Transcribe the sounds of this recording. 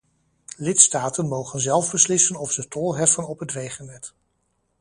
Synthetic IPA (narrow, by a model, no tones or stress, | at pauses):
lɪtstaːtənmowχənzɛlˠvbəslɪsənɔfsətɔlˠɦɛfənɔpɦətrejχənɛt